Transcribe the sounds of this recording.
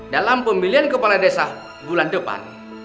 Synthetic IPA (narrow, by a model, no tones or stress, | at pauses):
dalampəmiliɦankəpaladɛsah | bulandəpa̰n